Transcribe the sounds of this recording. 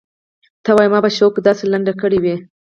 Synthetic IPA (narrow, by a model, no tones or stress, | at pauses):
t̪awɑjmɑbaʃokd̪ɑselaɳɖakəɽiwi